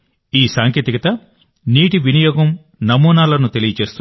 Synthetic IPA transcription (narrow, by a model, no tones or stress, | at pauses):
iːsaːŋkjɐt̪ikɐt̪ɐ | niːʈiʋinɐjɔːɡɐm | nɐmuːnaːlɐnut̪e̞lijɐt͡ʃe̞ːst̪u